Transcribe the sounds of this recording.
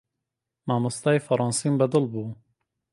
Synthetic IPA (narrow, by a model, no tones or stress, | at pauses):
maːmust̪aːjfɐɾˤɑːnsiːmbɛd̪ɨlbuː